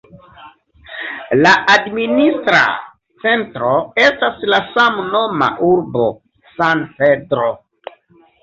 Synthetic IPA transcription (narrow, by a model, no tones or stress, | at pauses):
laʔadministɾa̰ | t͡se̞ntɾoe̞staslasamno̞ma̰ʔuɾbo̰ | sanpedɾo